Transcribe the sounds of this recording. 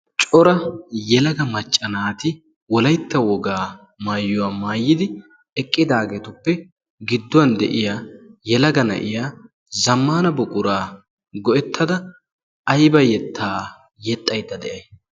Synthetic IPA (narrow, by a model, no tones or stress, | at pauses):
t͡ʃʼɔɾɐjɛlɐɡɐmɐt͡ʃʼːɐnaːt̪ɪ | wɔlɐjt̪ːɐwɔɡaː | maːjːʊwaːmaːjːɪd̪ɪ | ɛkʼːɪd̪aːɡe̞ːt̪ʊpːɛ | ɡɪd̪ːʊwɐnd̪ɛ̰ʔɪjaːjɛlɐɡɐnɐ̰ʔɪjaː | zɐmːaːnɐbɔkʼʊɾaː | ɡɔʔɛt̪ʰːɐd̪ɐ | ɐjbɐjɛt̪ʰːaː | jɛt̪ʼːɐjt̪ːɐd̪ɛʔɐj